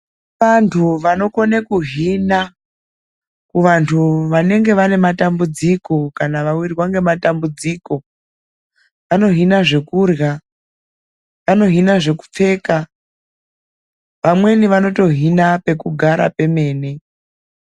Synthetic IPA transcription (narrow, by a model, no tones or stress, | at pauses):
ʋantʰuʋano̞ko̞nekuɦina | kuʋantʰuʋane̞ŋɡe̞ʋane̞matambud͡ziko̞kanaʋawirirwaŋɡe̞matambud͡ziːko̞ | ʋano̞ɦinaʐe̞kuːrja | ʋano̞ɦinaʐe̞ku̥p͡fe̞ːka | ʋamwe̞niʋano̞to̞ɦinape̞kuɡʱaɾa̰pe̞me̞ːne